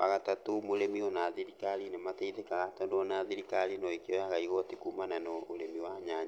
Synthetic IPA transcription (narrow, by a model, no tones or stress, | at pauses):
a̰ɣatatomoɾemiɔnaðiɾikaɾinemateiðɛkaɣatɔndoɔnaðiɾikaɾinɔekjɔjaɣaiɣɔtikumananɔoɾemiwaɲaɲ